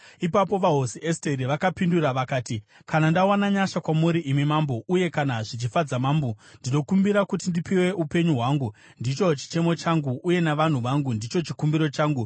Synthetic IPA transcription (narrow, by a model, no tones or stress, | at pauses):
ipapo̞ʋaɦo̞sieste̞ɾiʋakapinduraʋakaːti | kanandawanaɲaʃakwamuɾiʔimimaːmbo̞uje̞kanaʐit͡ʃifad͡zamaːmbondino̞kumbiɾakut̬indipiwe̞ʔupe̞ɲuɦwaːŋɡu | ndit͡ʃo̞t͡ʃi̥t͡ʃe̞mo̞t͡ʃaŋɡuʔːje̞naʋan̤uʋaŋɡundit͡ʃo̞t͡ʃikumbiɾo̞t͡ʃaːŋɡu